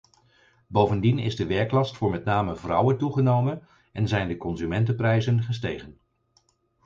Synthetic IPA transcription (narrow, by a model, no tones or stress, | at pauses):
bowvəndinɪ̰zdəʋɛɹklɑstfʊːɹmɛtnaːməvrʌwəntuχənowmən | ɛnzɛjndəkɔnzymɛntəprɛjzənχəstejχən